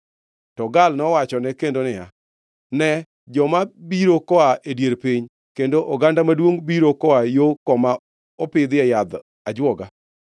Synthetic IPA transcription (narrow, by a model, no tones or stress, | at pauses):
tɔɡalnɔwat͡ʃɔnɛkendonɪja̰ | nɛ | d͡ʒɔmabiɾokɔaʔedjeɾpiɲ | kendoʔɔɡandamadwoŋbiɾokɔajokɔma | ɔpɪd̪ɪɛjad̪ | ad͡ʒwɔɡa